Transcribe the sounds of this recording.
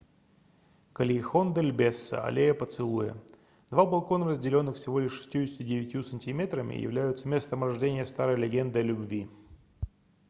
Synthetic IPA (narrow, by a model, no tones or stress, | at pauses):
kəlʲɪxond̪əlʲbʲesːə̰ɐ̰lʲejəpət̪sɨlˠujə̰ | d̪vabɐlˠko̞nəɾəzʲdʲɪlʲo̞nːɨxfʲsʲɪvo̞lʲɪʂːɨ̥sʲtʲjuɪsʲt̪ʲɪdʲɪvʲɪtʲjusənʲtʲɪmʲet̪ɾəmʲɪ̰jɪ̰vlʲæjʊt̪səmʲe̞st̪əmrɐʐdʲenʲɪjəst̪aɾəjlʲɪɡʲe̞nd̪ɨlʲʊbvʲi